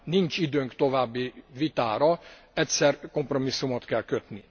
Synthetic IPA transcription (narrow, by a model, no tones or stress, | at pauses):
nint͡ʃid̪øːŋkt̪o̞vaːbːivit̪aːɾɒ | ɛtʲsɛrko̞mpro̞misːumot̪kɛlkøt̪ni